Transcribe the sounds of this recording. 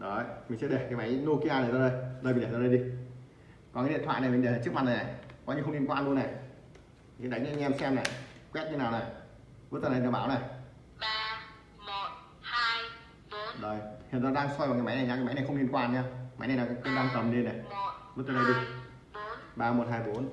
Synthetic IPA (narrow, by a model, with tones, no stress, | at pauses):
ɗo˨˦mi˨˩ŋ̟sɛ̰˧˥ɗe˨˩kaː˨˦ma˨˦jno˧ki˧ʔaː˧na˨˩jzɔ˧ɗə˧jɗəː˧˩m˨˩˨ɗe˨˩zɔ˧ɗə˧jɗi˧ | kɔ˨˩nkːḭ˧˨t̪ʰw̰ːna˨˩mi˨˩ŋɗe˨˩˨t͡ɕɨ˦˥k̚ma˨˩na˨˩na˨˩kɔ˨˦ɲɨ˧xə˧ŋ͡mli˧nkwaː˧lu˧ənːa˨˩˨ | sɛ̰˧˥ɗa˨˦ŋa˨˧˦ŋɛ˧msɛ˧mna˨˩kwɛ˦˥t̚ɲɨ˧naː˨˩wna˨˩ | vɨ˦˥t̪əː˧˨˧a˧˨˩ɓaː˨˦wna˨˩˨ | zə˨˩jhi˨nzɔ˧ɗaː˧ŋsɔ˧jvŋaː˨˩ma˨˦jna˨˩ɲa˧kːaː˨˦ma˨˦jna˨˩xə˧wni˧nkwaː˧n˨ɲaː˧˦ma˨˦jn˨˩jnaː˨˩kːə˧ɗaː˧ŋt̪ə˨˩mne˧na˨˩ɨ˦˥t̪ə˧ɗə˧jɗi˧ | ɓaː˧mo˨˩t̚haː˧jɓo˨˦n